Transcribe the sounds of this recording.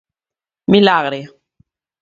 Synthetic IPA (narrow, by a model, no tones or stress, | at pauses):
milaɣɾe